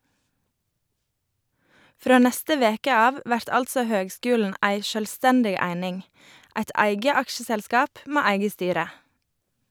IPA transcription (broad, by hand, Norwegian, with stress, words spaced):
ˈfɾoː ˈnɛstə ˈʋeːkə ˈɑːʋ ˈʋæɾt ˈɑltsɔ ˈhøːɡˌskʉːln̩ ˈæɪ ʃœlˈstɛndɪɡ ˈæɪnɪŋ ˈæɪt ˈæɪɡə ˈɑkʃəˌsɛlskɑːp ˈmeː ˈæɪɡə ˈstyːɾə